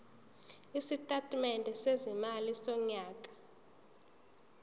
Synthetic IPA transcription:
isitʼatʼmɛndʱɛsezimalisɔɲaːkʼḁ

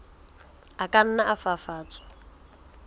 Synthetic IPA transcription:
akʼan̩naʔafafaːt͡sʰʼḁ

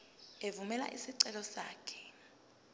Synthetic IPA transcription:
evumɛla̰ʔisiǀɛlɔsaːkʰɛ̥

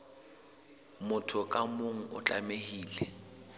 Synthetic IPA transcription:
mʊtʰʊkʼamoŋ̩ʊt͡ɬʼa̰mehiːlɛ

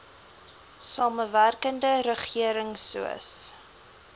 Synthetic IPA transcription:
sɑːməværkəndəɾəχiəɾəŋsṵə̰s

